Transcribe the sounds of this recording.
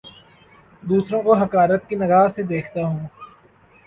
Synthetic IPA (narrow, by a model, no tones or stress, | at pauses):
d̪uːsɾõkoɦɐkaːɾət̪kinɐɡaːzsed̪eːkʰt̪aɦũː